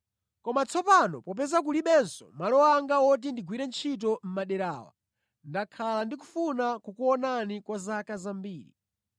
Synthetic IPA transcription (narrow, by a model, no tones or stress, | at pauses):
kɔmat͡sʰɔpanɔpɔpɛzak̬uliɓɛnsɔ̰malɔwaŋɡaɔt̬indiɡwiɾɛnt͡ʃʰit̬ɔm̩maɗɛɾa̰ːwa̰ | ndakʰalandiku̥funakukuɔnanikwazakazambiːɾḭ